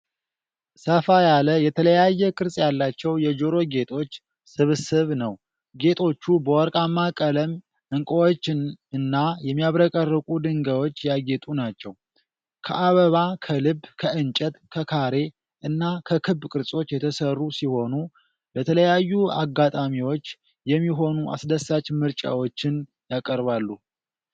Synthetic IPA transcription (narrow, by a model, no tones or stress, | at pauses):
səfajaləjɛt̪ʰələjajːɛkʼɨɾsʼjalːat͡ʃːɛwjɛd͡ʒoɾo̞ɡe̞t̪ʼʰo̞t͡ʃː | sɨβsɨβnəw | ɡe̞t̪ʰʼo̞t͡ʃːubəwɔɾkʼamːakʼələm | ɨŋkʼəwot͡ʃːɨnːajɛmːijaβɾəkʼərːəkʼud̪ɨŋɡəwo̞t͡ʃːjaɡɛt̪ʼunat͡ʃːɛw | kʰə̰ʔaβəβakʰəlɨbːkʰəʔɨnt͡ʃʼət̪kʰəkʰaɾe̞ | ʔɨnːakʰəkʰɨbkʼɨɾsʼo̞t͡ʃːjɛt̪ʰəsərːusiho̞nu | bət̪ʰələjajːua̰ɡːat̪ʼamiwo̞t͡ʃː | jɛmːiɦo̞nuʔa̰sd̪əsat͡ʃmɨɾt͡ʃʼa̰wot͡ʃːɪn | jakʼəɾβalːu